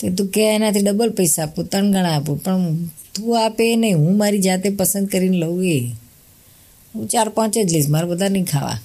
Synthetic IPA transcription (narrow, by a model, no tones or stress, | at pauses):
t̪ot̪̬ũkɛenat̪ʰiɖəbəlpəjsaːput̪əɳɡəɽ̃aːpũpəɳt̪ũapenəɦĩɦũːmaɾid͡ʒat̪epəsənd̪̚kəɾineləue | ɦũt͡ʃaɾpɔ̃t͡ʃed͡ʒ̪liːsmaɾobəd̪ʱanəɦĩkʰa̰ʋa̰